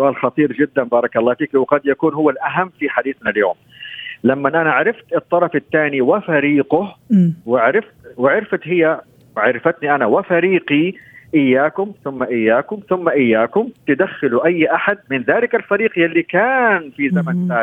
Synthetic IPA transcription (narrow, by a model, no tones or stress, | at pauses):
sʊʔaːlxɑt̪ˤiːɾd͡ʒɪd̪ːanbɑːɾˤɑkʔɑlˤːɑːfiːkwɪqɑd̪jakuːnhʊwːalʔaɦamːfiħad̪iːθnaljo̰ːm | lamːanʔanaʕɾɪft̪ɨt̪ˤːɑɾˤɑfɪt̪ːaːniwɪfaɾiːqʊhwɪʕɾɪft̪wɪʕɪɾfat̪hɪjːa | ʕaɾfat̪niʔanawɪfaɾiːqiʔɪjːaːkʊmθʊmːaʔɪjːaːkʊmθʊmːaʔɪjːaːkʊmt̪ɪd̪axːɪluʔajːʔaħad̪̚mɪnðaːlɪkalfaɾiːqjalːikaːnfizamant̪aː